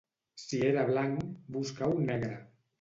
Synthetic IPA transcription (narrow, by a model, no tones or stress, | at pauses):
sieɾaβlaŋkbuskawnɛɣɾa